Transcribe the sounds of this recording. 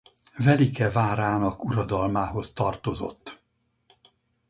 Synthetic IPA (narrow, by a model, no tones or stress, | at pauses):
vɛlikɛvaːɾaːnɒkuɾɒd̪ɒlmaːɦo̞st̪ɒrt̪o̞zo̞̰t̪ː